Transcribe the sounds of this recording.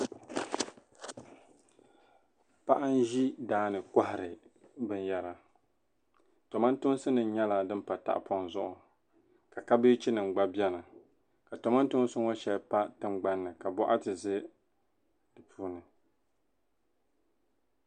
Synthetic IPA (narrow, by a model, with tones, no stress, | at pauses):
pa˦ʔa˦n˦ʒi˦daː˦nɨ˨ka˦hɪ˨ɾɨ˨bɨ˦n˦jɛ˨ɾa˨ | tɔ˨ma˦n˦tʊ˦n˦sɨ˦nɨ˨n˦ɲɛ˦la˨dɨ˦mpa˨ta̰˦ʔpɔ˨n˨zʊ˦ʔʊ˨ | ka˨ka˦bɨ˦t͡ʃi˦nɨ˨ŋ͡mɡ͡ba˦bjɛ˦na˨ | ka˨tɔ˨ma˦n˦tʊ˦ŋ˦sɨ˦ŋɔ˦ʃɛ˨lpa˦tɨ˦mɡ͡ba˦nːɨ˨ka˨bɔ˦ʔa˦tɨ˨zɨ˦ | dɨ˨pʰuː˦nɨ˨